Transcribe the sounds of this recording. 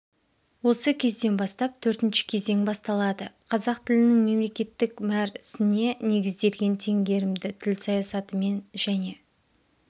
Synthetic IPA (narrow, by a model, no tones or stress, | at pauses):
wo̞səkʲʰe̞zd̪e̞nbɑst̪ɑp̚t̪ʰɵɾt̪ɪnʃɪ̥kʲʰe̞ze̞ŋbɑst̪ɑlˠɑd̪əqʰɑzɑqt̪ʰɪlɪnɪŋme̞mle̞kʲe̞t̪ːɪkmæɾɪsɪne̞ne̞ɡʲɪzd̪e̞ɾɡʲe̞nt̪ʰe̞ŋɡʲe̞ɾɪmd̪ɪt̪ʰɪlsɑjɑsɑt̪əme̞nʒ̥æne̞